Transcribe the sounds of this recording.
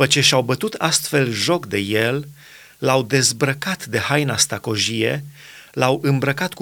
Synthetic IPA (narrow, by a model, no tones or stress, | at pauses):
ət͡ʃe̞ʃawbət̪ut̪ʰast̪fe̞lʒo̞kd̪e̞jel | lawd̪e̞zbɾəkat̪d̪e̞hajnast̪ako̞ʒijḛ | lawʔɨmbɾəkat̪ku